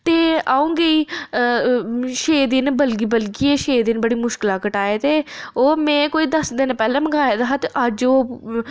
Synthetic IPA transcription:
t̪eːaːũːŋɡeiː | ʃeːd̪ɪnbəlɡiːbəlɡiːeːʃeːd̪ɪnbəɽiːmʊʃkɪlãːkəʈaːeːt̪eːoːmɛ̃ːkoːiːd̪əsd̪ɪnpɛːlẽːməɡaːjaːd̪aːɦt̪ʔəd͡ʒoː

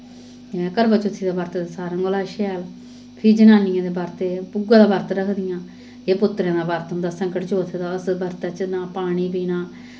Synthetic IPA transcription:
ɛkəɾbaːt͡ʃʊt̪ʰːiːd̪aːbəːɾt̪ːd̪esaːɾãːŋɡolaːʃɛːl | pʰiːd͡ʒənãːnɪjãːd̪eːbaːɾt̪eːpuɡãːd̪aːbəːɾt̪ɾəkʰd̪ɪjãː | eːpʊt̪ːɾãːd̪aːbaːɾt̪ʊnd̪aːsəŋkəʈt͡ʃoːt̪ʰeːd̪aːəsbəɾt̪at͡ʃnãːpaːɽ̃iːbiːnaː

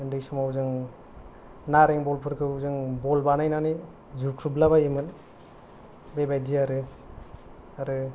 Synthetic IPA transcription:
ɯndɯjsumawzɯŋ | naɾeŋbɔlpʰɯɾkʰɯuzɯŋbɔlbanajnani | zuɾkʰɾublaβajimɯn | bebajdiaɾɯ | aɾɯ

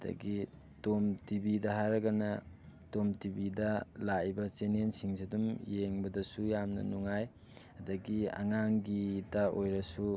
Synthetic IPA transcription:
ɐdɐ̰ɡi | tomtibidɐɦaɾɐɡɐnɐtomtibidɐlaibɐt͡ʃenensiŋsidumjeŋbɐdɐsujamnɐ̰nuŋaj | ɐdɐɡiɐ̰ŋaŋɡidɐojɾɐsu

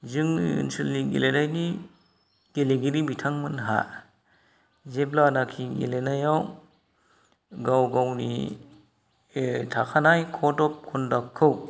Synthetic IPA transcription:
zɯŋɯ̰nsɯlniɡḛlenajni | ɡ̥eleɡiɾibitʰaŋmɯnɦa̰ | zeblanakʰiɡḛlenajaw | ɡawɡawnḭ | tʰakʰanajkʰɔdɔp̚kʰɔndakʰːɯw

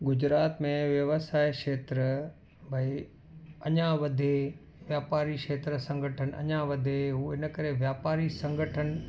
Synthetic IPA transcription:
ɡʊd͡ʑɾaːt̪mẽʋjɐʋəsaːeʃeːt̪ɾə | bʱɐi | ɐɲãʋɐd̪ʱe | ʋjaːpaːɾiʃeːt̪ɾəsɐ̃ŋɡʱəʈʰənɪ̆ʔɐ̰ɲãʋɐd̪ʱeɦuːɪnəkɐɾeʋjaːpaːɾisɐ̃ŋɡʱəʈʰənɪ̆

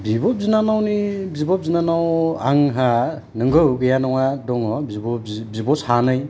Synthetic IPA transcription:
bibɔp̚zinanawnibibɔp̚zinanawaŋɦa | nɯŋɡɯwɡɯjanɔŋadɔŋɔ | bibɔshanɯj

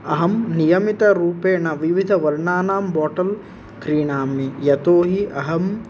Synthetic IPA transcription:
ɐɦɐmnijɐmit̪ɐɾuːpeːnɐʋiʋid̪ʱɐʋɐɾɳaːnaːmbaːʈɐl | kɾiːɳaːmijɐt̪oːɦiʔɐɦɐm

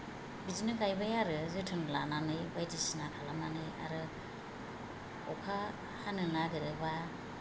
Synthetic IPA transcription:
bizinɯkajbajaɾɯzɯtʰɯŋlananɯjbajdisinakʰalamanɯja̰ɾɯ | ɔkʰa | hanɯnaɡɯɾɯba

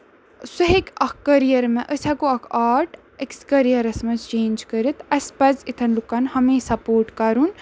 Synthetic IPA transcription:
suɦekɐkʰkɐɾijɐɾmɛʔəsʲakuɐkʰaːɾʈ | ekskɐɾijɐɾɐsmɐzt͡ʃeːnd͡ʒkəɾit̪ɐspɐzit̪ʰɐnlukːɐnhɐmẽːsɐpoːɾʈkɐɾun

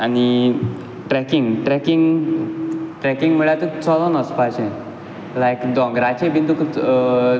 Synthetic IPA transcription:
añi | ʈɾɛkiŋɡʈɾɛkiŋɡ | ʈɾɛkiŋɡm̤əɭat̪ut͡sɔlɔnəspat͡ɕe | lajkd̪ɔ̃ŋɡɾat͡ɕebʱint̪uk

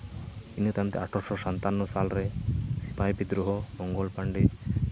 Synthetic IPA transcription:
inot̪ant̪ḛaʈʰɔsɔsant̪anːɔsalɾesipajbid̪ɾuɦɔmɔŋɡɔlpaɳɖi

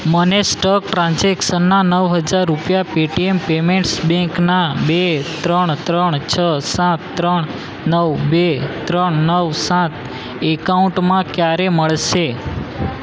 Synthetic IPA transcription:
mənesʈək̚ʈɾãnd͡ʒekʃənːanəʋɦəd͡ʒaɾːupjapiʈiempemẽɳʈsbɛ̃ŋknabet̪ɾəɳt̪ɾəɳt͡ʃʰəsãt̪ːɾəɳ | nəʋbet̪ɾəɳnəʋsãt̪ʰ | ekaũɳʈmãkjaɾeməɭʃe

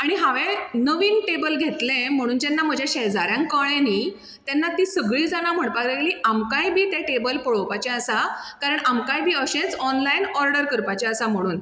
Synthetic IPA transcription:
aɽ̃iɦaʋẽnəʋiːnʈebəlɡʱet̪lẽm̤əɽ̃uːnd͡ʑ̪anːam̤əd͡ʑʱjaɕɛɦd͡zaɾjãŋkəɭẽni | t̪janːat̪iːsəɡɭiːd͡zaɽ̃am̤əɳpad̪eliːʔamkajbʱiːt̪eʈebəlpəɭəʋpat͡ɕɛ̃əsakaɾəɳamkajbʱiːəɕẽt͡sɔnlainɔɾɖəɾkəɾpat͡ɕɛ̃əsam̤əɽ̃uːn

